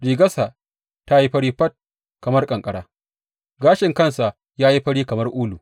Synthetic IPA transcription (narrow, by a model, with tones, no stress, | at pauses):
ɽiː˨ɡɐ˦sa˨ | ta˦ji˦ɸɐ˦ɽiː˦ɸɐ˦t̚ | kɐ˨mɐ˦rkʼɐ˨ŋkʼɐ˦ɽaː˦ | ɡaː˦ʃɪ˨ŋkɐ˦˨nsa˨ | jaː˦ji˦ɸɐ˦ɽiː˦kɐ˨mɐ˦rʔuː˦lu˨